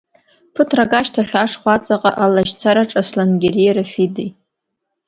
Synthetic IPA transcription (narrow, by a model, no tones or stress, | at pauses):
pʰɨtʰraɡaʃtʰaɬaʂχʷat͡sʼaqʼaʔalaʒt͡sʷʰaɾaʈ͡ʂʼaslanɡʲerijɾafidej